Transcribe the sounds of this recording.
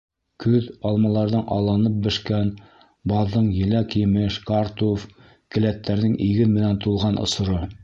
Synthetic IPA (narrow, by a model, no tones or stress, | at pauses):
kʉðɑlˠmɑlˠɑɾðɤɴʔɑ̰lˠɑnɤp̚bɘ̆ʃkæn | bɑðːɤɴjɘ̆lækjɘ̆mɘʃkaɾt̪uf | kɘ̆læt̪ːæɾnɘŋiɡɘnmɘ̆nænt̪ulˠʁɑnʔŏ̰sŏɾɤ